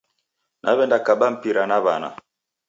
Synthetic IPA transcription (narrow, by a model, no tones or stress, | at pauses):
nʔa̰βɛndakaɓam̩piɾanaβana̰